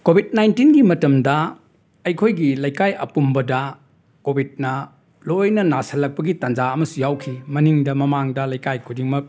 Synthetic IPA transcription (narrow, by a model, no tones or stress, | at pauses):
kobʱit̚najntinɡimɐtɐmdɐ | ɐjkʰojɡilɐjkajɐ̰pumbɐdɐ | kobʱit̚nɐ | lojnɐnasɐlːɐk̚pɐɡitand͡ʒaɐmɐsujawkʰimɐniŋdɐmɐmaŋdɐlɐjkajkʰudiŋmɐ